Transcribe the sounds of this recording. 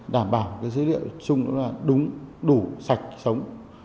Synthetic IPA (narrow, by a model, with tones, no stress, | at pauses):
ɗaː˧˩mɓaː˧˩wkaː˨˦jzəː˨˦lḭ˧˨əwt͡ɕʊ˧ŋ͡mɗɔ̰˨˦laː˨˩ɗʊ˨˦ŋ͡mɗu˧˩sa˨˩jk̟̚sə˨˦wŋ͡m